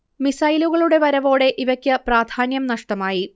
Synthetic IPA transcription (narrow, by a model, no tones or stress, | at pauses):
misɐjluɣɐɭuɽe̞ʋɐɾɐʋo̞ːɽe̞ʔiʋɐkʲːɨpraːd̪ʱaːnjɐmnɐʂʈɐmaːji